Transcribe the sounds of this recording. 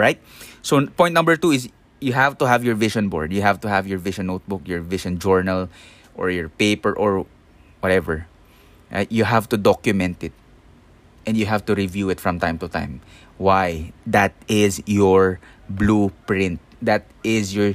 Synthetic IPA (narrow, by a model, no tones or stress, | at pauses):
ɹaɪt̪̚sopɔ̃j̃t̪nʌ̃mbəɹt̪uɪs | juɦævt̪ʊɦavjɔɹvɪʃɔ̃nbɔ̰ɹd̪jʊɦævt̪ʊɦavjɔɹvɪʃɔ̃nːowt̪̚bʊkjɔɹvɪʃɔ̃nd͡ʒɔɹnal | ʔɔ̰ɹjɔɹpeɪpɛɹʔɔɹ | wɔt̪ɛvɛɹ | ɹa̰ɪjuɦavt̪ud̪ɔkjʊmɛ̃nt̪ɪt̪̚ | ʔɛ̃ndjuɦævt̪uɹɪvjuɪt̪fɹɐ̃mt̪ãɪ̃mt̪ut̪ã̰ɪ̃m | wajd̪at̪̚ɪzjɔɹ | blupɹɪ̃nt̪̚d̪at̪̚ɪzjɔɹ